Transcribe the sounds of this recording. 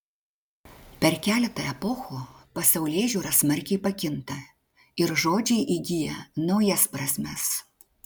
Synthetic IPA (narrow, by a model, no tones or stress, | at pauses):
pʲɛɾkʲæːlʲɛt̪ɐɛpɔxuːpɐsɛʊlʲeːʒʲuːɾɐsmɐɾʲkʲɛɪpɐkʲɪnt̪ɐ | ɪɾʒoːd͡ʒʲɛɪʔiɡʲɪjɛnɒʊjɛspɾɐsʲmʲɛs